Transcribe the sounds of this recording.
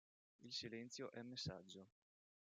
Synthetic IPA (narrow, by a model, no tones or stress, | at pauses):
ilsilɛnt̪sjoʔɛmːesːa̰d͡ʒːo